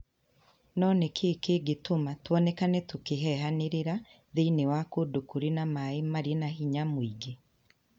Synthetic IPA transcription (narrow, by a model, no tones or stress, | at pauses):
nɔːnɛkʰeːkeːɡetomatwɔnekanɛtokeɦɛɦaneɾeɾa | ðeinewakodokuɾinamaemaɾienahiɲamwiɡe